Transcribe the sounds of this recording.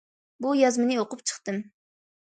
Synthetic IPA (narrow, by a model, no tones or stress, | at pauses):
bujɑzmɨnɨoqʊpt͡ʃʰə̥χt̪ɨm